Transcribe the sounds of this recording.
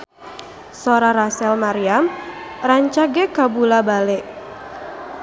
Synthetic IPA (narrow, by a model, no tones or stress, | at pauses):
soɾaɾasɛlmaɾiamraɲt͡ʃaɡɛkabulabaleʔ